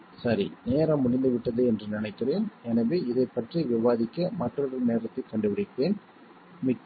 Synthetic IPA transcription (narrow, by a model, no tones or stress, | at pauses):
sɐɾḭneːɾɐmːʊɽɪnd̪ɯʋɪʈːɐðɯɛndrɯnɪnɐɪkːɪreːnɛnɐʋeːɪðɐɪpːɐʈriʋɪʋaːðɪkːɐmɐʈrɐɭɐɾneːɾɐt̪ːɐɪkɐɳɖɯʋɐɽɪkːɪreːn | mɪkː